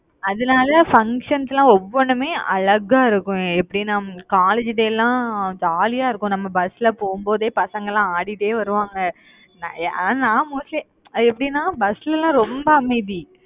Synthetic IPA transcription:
ɐðɯnaːlɐfɐŋkʂɐnsɛlãːɔʋːɔɳɯmeːʔɐ̰ɭɐɾɣaːɪɾɯkːʊ̃ɛpːɐɽinãːkaːled͡ʒɪðeːlːãːd͡ʒaːlɪjaːɪɾɯkːʊ̃nɐmːɐbɐsɪlɐpoːɣɯmboːðeːpɐsɐŋɡɐlãːaːɽɪʈːeːʋɐɾɯʋaːŋɡɐ | n̰ːnãːmuːslɐ | ɛpːɐɽinːaːbɐslɛlãːɾɔmbɐɐmɐɪði

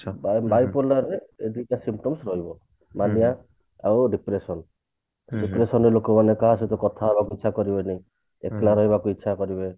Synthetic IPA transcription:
bbajpolaɾeed̪itãsimp̚ʈɔmsɾɔɦibɔ | manija | awɖipɾesɔn | dipɾesɔnɾelokɔmanekaɦaset̪ɔkɔt̪ʰaɦebakuitːʃʰakɔɾibenẽ | ḛklaɾɔɦibakuitːʃʰakɔɾibe

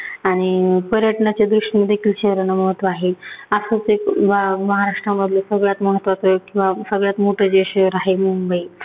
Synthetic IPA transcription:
aɽ̃ipəɾjəʈəɳat͡ɕjad̪ɾuʂʈiməd̪ʱːekʰiːlɕeʋɾənaməɦət̪ːʋaːɦeəsət͡sekbaməɦaɾaʂʈɾaməd̪ʱljesəɡɭjat̪məɦət̪ːʋat͡səkĩw̃ʋasəɡɭjat̪moʈʰəd͡ʑeɕɾaɦemumbəi

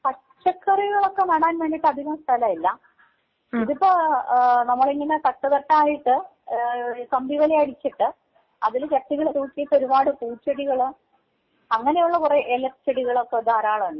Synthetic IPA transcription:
kɐ | t͡ɕːɐkʰːɐriɣɐɭo̞kːe̞nɐɽaːnʋe̞ːɳɖiʈːɐd̪ʱiɣɐmst̪ʰɐlɐmilːɐ | iðipːoːnɐmːɐɭeŋːɡinːɐkɐʈːɐðɐʈːɐaːjiʈːɨ | kɐmbiʋɐleɐɽit͡ɕːiʈːɨ | ɐðilt͡ɕɐʈːiɣɐɭt̪uːkːijɐt̪ːoɾubaːɽɨpuːt͡ɕːɐɽiɣɐɭ | ɐŋːɐnejuɭːɐkureʔelɐkt͡ɕːɐɽiɣɐɭokːed̪aːɾaːɭɐuɳːɨ

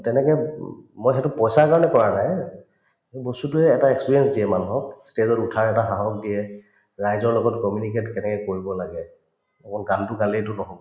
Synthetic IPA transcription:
tɛnɛkɛmojxɛtʊpɔjsaɹkaɹɔnɛkɔɹanaj | ebostutʊɛːtaɛkspiɹiɛnsdiɛmanuɦɔkstezɔtutʰaɹɛtaxaɦɔk̚diɛ | ɹajzɔɹlɔɡɔtkɔmjunik̬etkɛnɛkɛkoɹibɔlaɡɛ | akɔnɡaltʊkalitʊnɔɦobɔ

